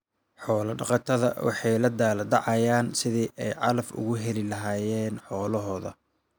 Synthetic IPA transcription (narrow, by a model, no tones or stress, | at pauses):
ħɔːlɐɖɑqɑt̪ʰɐðɐ̰wɑ̰ħɑjlɐd̪aːlɐd̪ɑʕɑjaːnsɪðiːʔɛjʕɑlɐfʊ̰ɣʊɦɛlɪlɐɦaːjɛːnħɔːlɐɦɔːðɐ̰